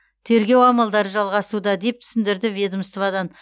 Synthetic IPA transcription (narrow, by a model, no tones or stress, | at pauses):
t̪ʰe̞ɾɡʲe̞wɑmɑlˠd̪ɑɾəʒɑlˠʁɑsud̪ɑd̪e̞p̚t̪ʰʏ̥sɪnd̪ɪɾd̪ɪvʲed̪əmst̪vɑd̪ɑn